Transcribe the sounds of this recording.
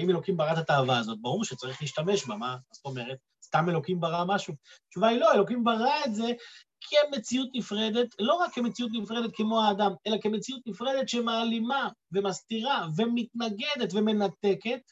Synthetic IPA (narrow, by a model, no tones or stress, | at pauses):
aime̞lo̞kimbaʁat̪at̪aːvaːzo̞t̪̚baʁuʁʃet͡saʁiχliːʃtame̞ʃbamaazot̪o̞me̞ʁet̪̚ | st̪ame̞lo̞kimbaʁamaʃut͡ʃuvailo̞elo̞kimbaʁaetze̞ | kʰeme̞t͡siut̪nifʁe̞d̪e̞tlo̞ʁakːeme̞t͡siut̪̬nifʁe̞d̪et̪̚kʰemo̞haːdame̞lakemet͡sijut̪nifʁe̞d̪e̞t̪ʃemaːlimave̞mast̪iʁave̞mit̪naɡe̞d̪e̞tve̞me̞nat̪e̞ke̞t̚